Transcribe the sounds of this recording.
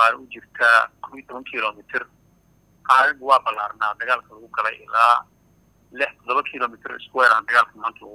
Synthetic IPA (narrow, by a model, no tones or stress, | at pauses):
aːɾʊt͡ʃɪrt̪ʰakʰɔwiːt̪ʰɔβɐŋkʰilɔːmɪt̪ʰɪr | ʔɐɾɐɣwɑːbɐlːaːrnaːd̪ɐɣaːlkʰɐlɐɣʊɡɐlɛ̰jʔɪ̰laː | lɪħt̪ʰɔd̪ɔβɐkʰɪlɔːmɪt̪ʰɪr̰ɪskʊwɛːɾaːnd̪ɐɣaːlkʰʊmaːnt̪ʰɐlɣʊ